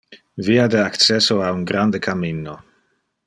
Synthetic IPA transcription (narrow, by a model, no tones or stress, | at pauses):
viad̪eakt͡sɛsoauŋɡɾand̪ekaminːo